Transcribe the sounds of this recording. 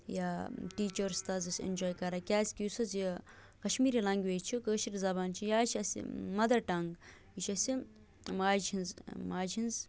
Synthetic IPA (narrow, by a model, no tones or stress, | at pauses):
jaːʈiːt͡ʃɐɾst̪ɐzɐsʲḭnʲd͡ʒoːjkɐɾakʲaːsʲkʲusɐzji | kɐʃmiːɾilɐ̃ŋɡʲʋeːt͡ʃʰikəːʃiɾzɐbaːnt͡ʃʰijaːt͡ʃʰɐsḭmɐd̪ɐɾʈɐŋɡ | iʃʰɐsʲi | maːd͡ʒinzmaːd͡ʒinz